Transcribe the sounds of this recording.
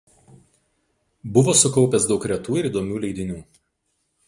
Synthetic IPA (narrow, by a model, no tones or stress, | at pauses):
bʊʋoːsʊkɔʊpʲɛsd̪ɒʊkɾʲɛt̪uːɪɾiːd̪oːmʲuːlʲɛɪd̪ʲɪnʲuː